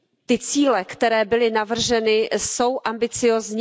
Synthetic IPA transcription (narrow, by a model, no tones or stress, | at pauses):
t̪ɪt͡siːlɛkt̪ɛɾɛːbɪlɪnavr̩ʒɛnɪso̞wʔambɪt͡sɪjoːzɲ